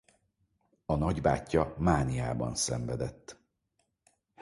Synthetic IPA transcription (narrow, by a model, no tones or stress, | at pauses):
ɒnɒɟba̰ːcːɒmaːnijaːbɒ̰nsɛɱvɛd̪ɛt̪ː